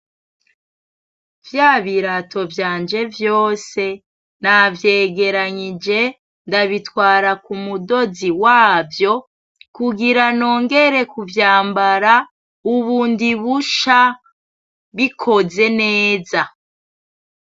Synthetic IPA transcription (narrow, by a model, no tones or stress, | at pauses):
vjaːβiɾatʰo̞vjaːnd͡ʒe̞vjo̞ːse̞ | navje̞ːɡe̞ɾaɲid͡ʒe̞ | ndaβitwaːɾakumudo̞ziwaːvjo̞ | kuɡiɾano̞ːŋɡe̞ɾe̞kuvjaːmbaɾa | uβuːndiβuʃa | βikʰo̞ze̞ne̞ːza